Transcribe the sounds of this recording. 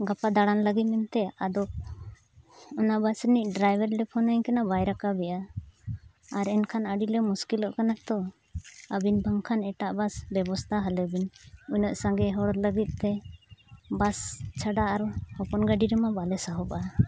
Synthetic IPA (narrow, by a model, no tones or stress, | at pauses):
ɡapad̪aɽanləɡit̪̚mɛmt̪ɛad̪ɔk | ɔnaʔbasɾɛnic̚ɖɾajbɛɾlɛpʰɔnaɲkanabajɾakabɛja | aɾɛnkʰanəɖilɛmuskilɔʔkanat̪ɔ | əbinbəŋkʰanɛʈaʔbasbɛbɔst̪ʰaɦalɛbinujnɔʔsaŋɡɛɦɔɽɔləɡit̪̚ˀt̪ɛ | bast͡ʃʰaɖaaɾhɔpɔnɡaɖiɾɛmabalɛsaɦɔba